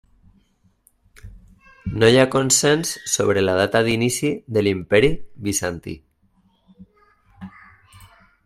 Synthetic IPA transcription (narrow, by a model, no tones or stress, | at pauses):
nojakonsensːoβ̞ɾelað̞at̪aðinisiðelimpɛɾiβisant̪ḭ